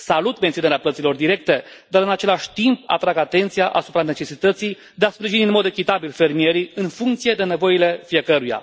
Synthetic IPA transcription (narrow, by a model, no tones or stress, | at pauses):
salut̪me̞nt̪ioneɾeaplət̪silo̞rd̪iɾe̞k̚t̪e̞ | d̪aɾɨnat͡ʃe̞laʃʲt̪impa̰t̪ɾaɡat̪e̞nt̪sijaʔasupɾane̞t͡ʃe̞sit̪ət̪si | d̪easpɾiʒiniɨnmo̞d̪e̞kʲit̪abilfe̞rmie̞ɾiɨnfuŋkt̪sije̞d̪e̞ne̞vo̞ile̞fije̞kəɾuja̰